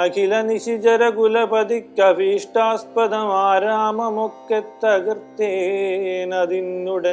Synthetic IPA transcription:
ɐkʰilɐniʃid͡ʒɐɾɐɡulɐpɐd̪ikːɐfiːʂʈaːs̚pɐd̪ɐmaːɾaːmɐmokːet̪ːɐɡɾt̪eːnɐd̪inːuɽɐ

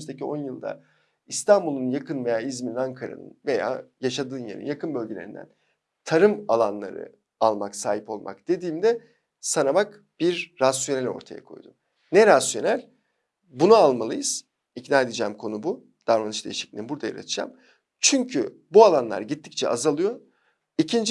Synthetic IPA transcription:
yzd̪ecio̞njɯlˠd̪a̰ | ist̪ʰambulˠunjakʰɯnve̞jaːizmininaŋkʰaɾa̰nɯ̰nve̞ja̰ːjaʃad̪ɯːnjḛɾḭnjakʰɯnbølʲɟʲelʲe̞ɾind̪æ̰n | t̪ʰaɾɯmalˠanlˠa̰ɾɯ̰ | alˠmaksaːɦipo̞lˠmʔa̰kd̪̥e̞d̪iːmd̪ɛ | sanabak | b̥iɾːasjo̞nelʲo̞̰ɾt̪ʰaja̰kʰo̞̰jd̪um | nɛɾasjo̞nælʲ | bunualˠmalˠɯjɯz̥ | icnaːed̪ed͡ʒɛːmkʰo̞nubu | d̪̥aɾmanɯt͡ʃd̪ejiʃi̥clʲibuɾd̪aja̰ɾa̰t̪ʰɯd͡ʒa̰m | t͡ʃʰyɲcʰy | bualˠanlˠa̰ɾɟit̪ʰːic̚t͡ʃʰɛ̰azalˠɯjo | icʰind͡ʒ

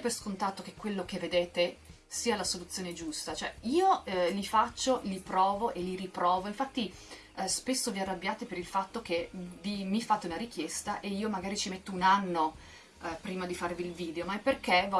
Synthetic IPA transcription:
perskont̪at̪ːok̟ekːwelːokevːed̪eːt̪e | siːalasolut̪sːjoːned͡ʒust̪at͡ʃoɛiːolifat͡ʃːolipɾɔːvoʔeliɾipɾɔːvoiɱfat̪ːi | spesːoviarːabːjaːt̪epeɾilfat̪ːok̟evimifːat̪ːeunaɾik̟jest̪aʔeiːomaɡaːɾit͡ʃimet̪ːounanːo | pɾiːmad̪ifarviːlviːd̪eomaɛpːerkevɔ

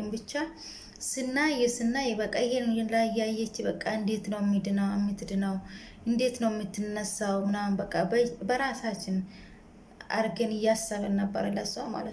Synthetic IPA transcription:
mbɨt͡ʃːa | sɨnːajɛsɨnːajɛbəkʼːaɪhenɛnlajajːɛt͡ʃːɪbəkʼːaɨnd̪e̞t̪nəwjɛmːid̪ɨnawɛmːit̪d̪ɨnaw | ʔɨnd̪e̞t̪nəwjɛmːit̪ːɨnːəsːawmɨnambəkʼːabəɾasat͡ʃːɪn | a̰ɾɡenɨjːasːalənəbːə̰ɾəlasuwama̰lət̪

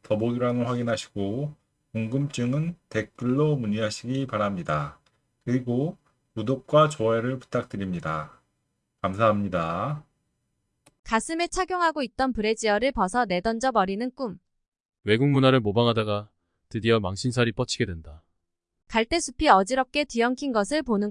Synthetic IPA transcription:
tʌboɡiɾaŋɯnɸwaɡinɦaɕʰi̥ɡ̥o | koŋɡɯmt͡ɕ͈ɯŋɯnte̞k̚k͈ɯɭːomuɲiɦaɕʰiɡipaɾamɲida | kɯɾiɡo | pudok̚k͈wat͡ɕʌeɾɯɭpu̥t͈ʰak̚t͈ɯɾimɲida | kamsʰaɦamɲida | kas͈ʰɯme̞t͡ɕʰaɡjoŋɦaɡoit̚t͈ʌnpɯɾe̞d͡ʑiʌɾɯɭpʌsʰʌne̞dʌnd͡ʑʌbʌɾinɯnk͈um | we̞ɡuŋmunaɾɯɭmobaŋɦadaɡa | tɯdiʌmaŋɕʰinsʰaɾip͈ʌt͡ɕʰiɡe̞dwenda | kaɭt͈e̞sʰupʰiʌd͡ʑiɾʌp̚k͈e̞tiʌŋkʰinɡʌsʰɯɭponɯ

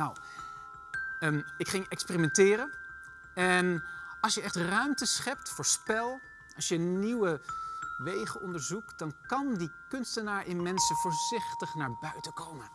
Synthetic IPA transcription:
aw | ɪkχɪŋɛkspeːrimɛntɪːrən | ɛnɑlˠsjəʔɛχtrœɥmtəsχɛp̚tfʊːɹspɛlˠ | ɑlˠsjəniwəʋejχəʔɔndəɹzuktd̥ɑnkɑndikɵnstənaːɹʔɪnmɛnsəvʊːɹzɪχtəχnaːɹbœɥtəkowmən

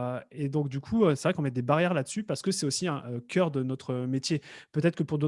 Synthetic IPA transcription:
ed̪ɔ̃kd̪ykʰuøsɛvʁɛkɔ̃mɛd̪ebaʁjɛʁlad̪əsypaʁsə̥kəsɛtosiɛ̃ʔøkʲʰœʁd̪ənɔt̪χəmet̪jepøt̪ɛt̪χəkəpuʁd̪o

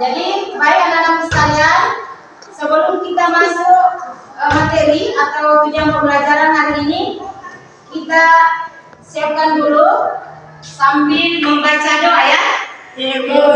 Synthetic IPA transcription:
d͡ʒadibaɪk̚dalampəst̪alian | səbəlʊmkit̪amasʊk | mat̪eɾiat̪awpud͡ʒaŋbərbəlat͡ʃaɾanaɦiɾini | kit̪a | siap̚kanbəlo | sambɪlməmbat͡ʃadoajaʔ

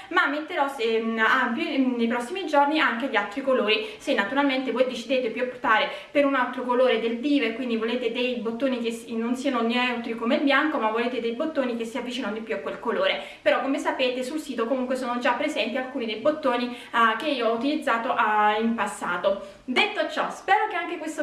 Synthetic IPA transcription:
mamːet̪ːeɾɔseampjinejpɾɔsːimid͡ʒorniaŋkeʎialt̪ɾikoloːɾisenːat̪uɾalment̪evɔjd̪it͡ʃid̪eːt̪epjuapːu̥t̪aːɾe | peɾunalt̪ɾokoloːɾed̪eld̪iːveɾkwind̪ivoleːt̪ed̪ejbot̪ːoːnikesnːonsiːanoneɛwt̪ɾikomeilbjaŋkomavːoleːt̪ed̪ejbot̪ːoːnik̟esːiavːit͡ʃiːnand̪ipːjuakːwelkoloːɾe | peɾɔkːomesapeːt̪esulsiːt̪okomuŋkwesoːnod͡ʒapːɾezɛnt̪ialkuːnid̪ejbot̪ːoːni | k̟eiːoɔut̪ilid̪zːaːt̪oʔaimpasːaːt̪o | d̪et̪ːot͡ʃɔspɛːɾokeaŋk̟ekwest̪o

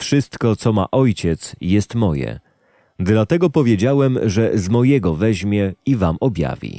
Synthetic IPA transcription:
fʂɘst̪kɔt̪sɔma̰ʔɔjt͡ɕɛt̪sjɛst̪mɔjɛ̰ | d̪lat̪ɛɡɔpɔvʲjed͡ʑawɛmʐɛzmɔjɛɡɔvɛʑmʲjɛivamɔbʲja̰vʲḭ

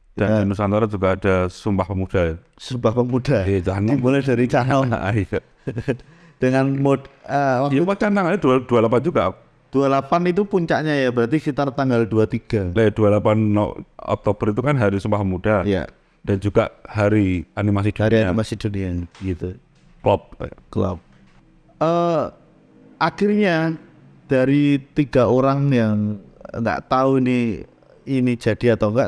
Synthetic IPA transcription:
d̥ananusant̪aɾad͡ʒuɡaad̥asumbahpəmud̥a | sumbahpəmud̥aat͡ʃanibuləd̥aɾit͡ʃana̰a̰ia | d̥əŋanmodəwakjaupat͡ʃanaŋaaduad̥ualap̬and͡ʒuɡaʔ | d̥ualapanit̪̬upuɲt͡ʃaʔɲajabəɾart̪isit̪aɾt̪aŋɡalduat̪iɡ̥alad̥ualapanːɔ̰ʔɔ̰k̚t̪obəɾit̪ukanɦaɾisumpahmud̥aja̰ | d̥and͡ʒuɡ̥aʔhaɾianimased̥aɾiaimased̥oniabəɡit̪u | klɔp̚klɔ̰p̚ | ə | ʔakirɲa | d̥aɾit̪iɡ̥aoɾaŋjaŋŋɡa̰ʔt̪auini | inid͡ʒ̥a̤d̥iat̪awŋɡaʔ

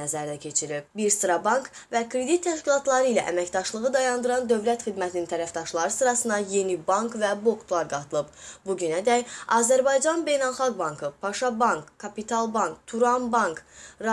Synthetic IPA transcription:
æzæɾd̪æcʰe̞t͡ʃʰiɾip̚biɾst̪ɾɑbɑŋk | vækɾe̞d̪it̪ʰːæʃcilˠɑt̪lˠɑɾɯilæ̰ʔæ̰mæçd̪ɑʃlˠɯʁɯd̪ɑjɑnd̪ɯɾɑnd̪ø̞vlæt̪xid̪mæt̪ʰinint̪ʰæɾæfd̪ɑʃlˠɑɾɯsɯɾɑsɯnd̪ɑje̞nibɑŋkvæbo̞kt̪ʰlˠɑɾɡɑt̪ʰɯlˠɯbbuɟynæd̪æjɑzæɾbɑjd͡ʒɑnbe̞jnɑlˠxɑɡ̚bɑŋkʰɯpʰɑʃɑbɑŋkkʰːɑpit̪ʰɑlˠbɑŋkt̪ʰuɾɑnbɑŋkɾ

